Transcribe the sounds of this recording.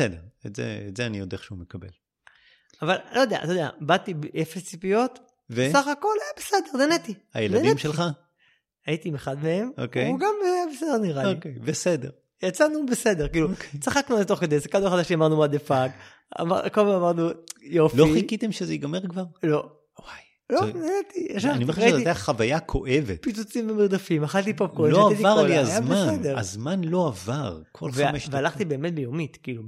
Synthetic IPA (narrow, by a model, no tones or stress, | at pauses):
esed̪eʁetzḛḛtzeanijod̪eaχʃeumekabḛl | avallʔojod̪ea̰a̰t̪odea̰bat̪ibeʔefest͡sipijo̞t̪ | vesaχako̞lajabesed̪e̞ʁdenet̪ia̰jeldadeniemʃelχa | ajit̪imeχad̪meemo̰keuɡambejabesed̪eʁniʁalokejbesed̪ḛʁ | jat͡sanubese̞d̪e̞ʁkiːlut͡saχaknualet̪o̞χked̪esekalueχadaʃiamaʁnumad̪efaɡ | a̰makomemamaʁnujofloiikit̪emʃezeiɡameʁkvaʁlo | waj | lonajat̪ieʃaanimeʁeaiiteaχavajakʰo̰ʔevḛt̪pit͡sut͡simvemiʁd̪afimaχalt̪ipob̚koelaaivt̪iaʁiazajambeasned̪eʁa̰zmanlo̞avaʁkʰolveameʃvealaχt̪ibe̞eːmet̪̚bejomit̪kiːlu